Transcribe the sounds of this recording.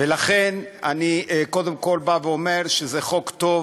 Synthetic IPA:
velaχenaniko̞d̪emko̞lbaveome̞ʁʃezeχo̞kt̪o̞v

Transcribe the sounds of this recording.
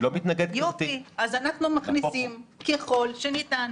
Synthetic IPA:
lomit̪naɡed̪̚jofiazanaχnumaχnisimkeχo̞lʃenitan

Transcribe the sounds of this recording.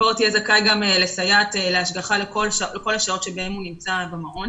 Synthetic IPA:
oʁt̪ijezakajɡamelesajat̪ele̞aʃɡaχalekolʃaoleko̞laʃao̞tʃebehe̞munimt͡sabemaʁo̞n

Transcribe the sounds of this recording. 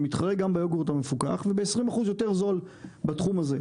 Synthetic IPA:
mit̪χaʁeɡambajoɡoʁt̪amefuka̰χvebeːsʁimaχuzjote̞ʁzo̞l | batχumaze

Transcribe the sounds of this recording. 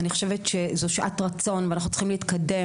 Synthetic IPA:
niχoʃevet̪ʃezoʃʔatʁat͡so̞nveanaχnu̥tt͡sl̥χimliit̪kade̞

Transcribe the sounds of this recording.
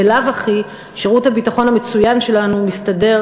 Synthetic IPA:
elavaχi | ʃeʁuthabitaχo̞nhamet͡sujanʃe̞lanumistade̞ʁ

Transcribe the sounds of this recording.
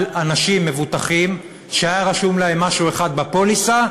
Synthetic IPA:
lanaʃimːe̞vut̪aχim | ʃeajaʁaʃumlaemːaʃue̞χad̪̚bapolisa

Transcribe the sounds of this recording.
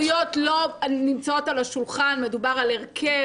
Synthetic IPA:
jotlo̞nimt͡sao̞talaʃulχanme̞dubaʁaleʁkʰe̞

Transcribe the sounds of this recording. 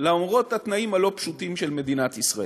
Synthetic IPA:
laomʁo̞that̪naimhalo̞pʃutimʃe̞lme̞d̪inat̪isʁae

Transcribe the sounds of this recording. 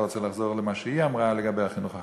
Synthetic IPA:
ʁɔt͡sɛlaχzoʁləmaʃəiamʁaləɡabeaχinuχa

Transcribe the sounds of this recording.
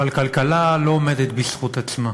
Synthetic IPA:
alkalkalalo̞ome̞d̪et̪bisχut̪at͡sma

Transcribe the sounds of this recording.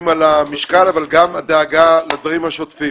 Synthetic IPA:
malamiʃkalavalɡamad̪eːɡalad̪vaʁimhaʃot̪fim

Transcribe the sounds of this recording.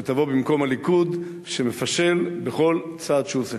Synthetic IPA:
et̪avo̞bimko̞malikud̪ | ʃeme̞faʃe̞lbeχo̞lt͡saːd̪ʃuse

